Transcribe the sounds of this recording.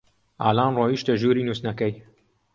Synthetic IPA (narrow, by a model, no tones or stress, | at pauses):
ʔa̰ːlaːnroːiʃt̪ɐʒuːɾiːnuːsnɐkɐj